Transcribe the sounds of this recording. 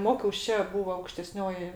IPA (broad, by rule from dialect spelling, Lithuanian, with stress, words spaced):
ˈmoːkʲɛʊs ˈt͡ʃʲɛ ˈbuːʋoː ɐʊkʃʲtʲɛˈsʲnʲoːjɪ